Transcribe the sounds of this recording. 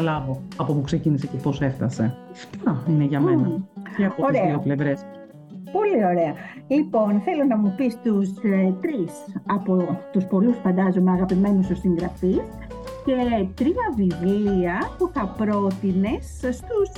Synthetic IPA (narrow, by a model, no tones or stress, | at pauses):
lɐvo̞ɐpopuksecinise̞ceposeft̪ɐse̞̰ft̪ɐineʝɐmenɐceɐooɾeɐiople̞vɾes | po̞lio̞ɾe̞ɐ | lipo̞nθe̞lo̞nɐmupist̪ust̪ɾisɐpo̞t̪uspo̞lusfɐnd̪ɐzomeɐɣɐpime̞nust̪usiŋɡɾɐfis | ce̞t̪ɾiɐvivliɐpuθɐpɾo̞t̪ine̞sst̪us